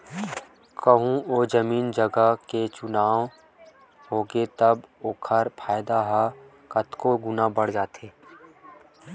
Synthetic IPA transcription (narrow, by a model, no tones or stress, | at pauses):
kəɦũoːd͡ʒɐmiːnd͡ʒəɡəket͡ʃʊnaːw | ɦoːɡet̪ɐboːkʰəɾpʰaːjd̪aɦa | kɐt̪koɡʊnabɐɽ̤d͡ʒaːt̪ʰeː